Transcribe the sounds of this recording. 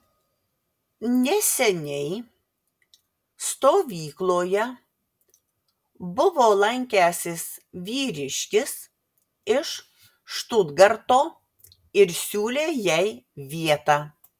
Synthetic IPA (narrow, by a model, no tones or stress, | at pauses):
nʲɛsʲɛnʲɛɪ | st̪oːʋʲiːklˠoːjɛ | bʊʋoːlˠɐŋʲkʲæːsʲɪs | ʋʲiːɾʲɪʃʲkʲɪs | ɪʃ | ʃt̪uːd̪ɡɐɾt̪oː | ɪɾsʲuːlʲeːjɛɪʋʲiɛt̪ɑː